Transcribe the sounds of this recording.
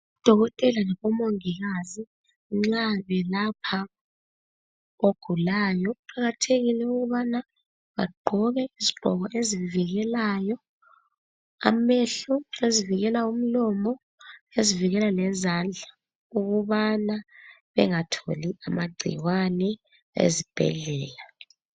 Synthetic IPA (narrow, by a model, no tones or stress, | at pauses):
ud̥ʱɔɣɔtʼɛlanaβɔmoŋiɣazi | ŋ͡ǁaβɛlapʰa | oɡ̥ʱulaːjɔuǃʰaɣatʰeɣilɛuɣuβana | βaɡ͡ǃʱɔɣɛiziɡ͡ǃʱɔ̰ɣɔʔeziviɣɛlaːjɔ | a̰meɬueziviɣɛlaum̩lɔmɔ | eziviɣɛlalɛzand͡ɮʱa | uɣuβana | βɛ̰ŋatʰo̰liamaɡ͡ǀʱḭwanɛ | ḛzib̥ʱɛ̰ɮɛːla